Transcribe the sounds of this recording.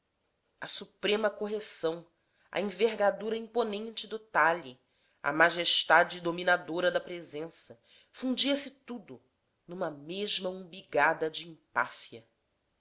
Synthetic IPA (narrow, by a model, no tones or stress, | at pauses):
ɐsupɾẽmɐkoɦesɐ̃w̃ | ɐ̰ĩveɦɡad̪uɾɐĩponẽnt͡ʃɪd̪ʊt̪ali | ɐ̰maʒeʃt̪ad͡ʒɪd̪ominad̪oɾɐd̪ɐpɾezẽsɐ | fũd͡ʒiɐsɪt̪ud̪ʊ | nũmɐmeʒmɐũbiɡad̪ɐd͡ʒiĩpa̰fiɐ